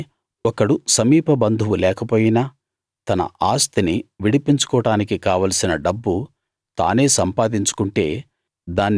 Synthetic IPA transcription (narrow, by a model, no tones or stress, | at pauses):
ɔkɐɽusɐmiːpɐbɐnd̪ʱuʋulɛːkɐpoːjinɐ | t̪ɐnɐ̰aːst̪iniʋiɽipiɲt͡ʃu̥kɔːɽaːnikikaːʋaːlɐsinɐɖɐbːu | t̪a̰ːne̞ːsɐmpaːd̪iɲt͡ʃu̥kuɳʈe̞̰ː | d̪aːnː